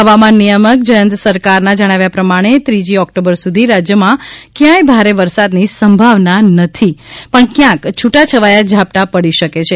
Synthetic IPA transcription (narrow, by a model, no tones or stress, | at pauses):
ɦəʋamãnːijəmək̚d͡ʒəjənt̪səɾkaɾnad͡ʒəɽ̃aʋjapɾəmaɽ̃et̪ɾid͡ʒiɔkʈobəɾsud̪ʱiɾad͡ʒjəmãkjãjbʱaɾeʋəɾsad̪nisəmbʱaʋnanət̪ʰipəɳkjãkt͡ʃʰuʈat͡ʃʰəʋajad͡ʒʱap̚ʈapəɽiʃəket͡ʃʰe